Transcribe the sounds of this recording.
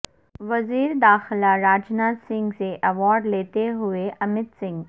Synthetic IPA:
ʋɐziːɾd̪aːxɪlaɾaːd͡ʒnaːt̪sɪ̃ŋɡseʔɐʋɔːɾɖleːt̪eɦʊeʔɐmɪd̪sɪ̃ŋɡ

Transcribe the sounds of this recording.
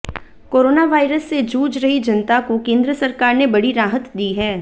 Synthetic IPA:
koːɾoːnaʋaːɪɾəsːed͡ʒuːd͡ʒɾɐɦid͡ʒɐnt̪akokẽːnd̪ɾəsɐɾkaːɾnebɐɽiɾaːɦət̪d̪iːɦɛː

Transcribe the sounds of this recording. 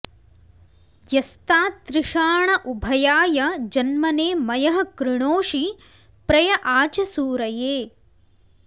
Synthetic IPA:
jɐst̪aːt̪ɾɪʂaːɳɐʔubʱɐjaːjɐd͡ʒɐnmɐneːmɐjɐɦɐ̆kɾɪɳoːʂi | pɾɐjɐʔaːt͡ʃɐsuːɾɐjeː

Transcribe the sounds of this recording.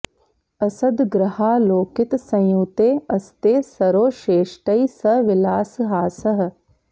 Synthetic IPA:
ɐsɐd̪ɡɾɐhaːloːkɪt̪sɐ̃jjuːt̪eːɐst̪eːsɐɾoːʃeːʃʈɐjsɐʋɪlaːsɦaːsɐɦɐ̆

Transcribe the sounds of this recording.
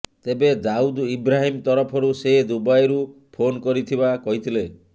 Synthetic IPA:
t̪ebed̪aud̪ibɾaɦimt̪ɔɾɔpʰɔɾused̪ubajɾu | pʰonkɔɾit̪ʰibakɔɦit̪ʰile

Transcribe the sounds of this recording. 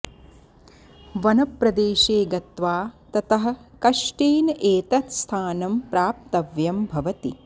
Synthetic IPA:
ʋɐnɐpɾɐd̪eːʃeːɡɐt̪ʋaːt̪ɐt̪ɐɦɐ̆kɐʃʈeːnʔeːt̪ɐt̪st̪ʰaːnɐmpɾaːp̚t̪ɐʋjɐmbʱɐʋɐt̪i

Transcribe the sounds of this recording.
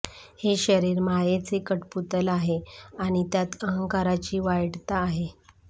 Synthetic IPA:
heɕəɾiːɾmajet͡sekəʈput̪əlaɦeaɽ̃it̪jat̪əɦəŋkaɾat͡ɕiːʋajɽt̪aːɦe

